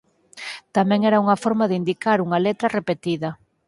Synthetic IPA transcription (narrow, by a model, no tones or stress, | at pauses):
t̪amɛ̃ŋɛɾɐuŋɐfɔɾmɐðɪind̪ikaɾuŋɐlet̪ɾɐrepet̪iðɐ